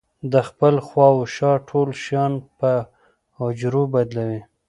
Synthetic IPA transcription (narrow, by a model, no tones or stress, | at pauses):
d̪əxpəlxwɑwʃɑʈʰolʃjɑnpə | ʊd͡ʒɾobad̪lawi